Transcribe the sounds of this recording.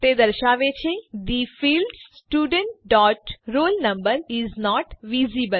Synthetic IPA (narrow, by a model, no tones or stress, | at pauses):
t̪ed̪əɾʃaːʋet͡ʃʰed̪ifiːlɖssʈjuːɖə̃ɳʈ̚ɖɔːʈɾoːlnɐ̃mbəɾiznɔːʈʋiːzibəl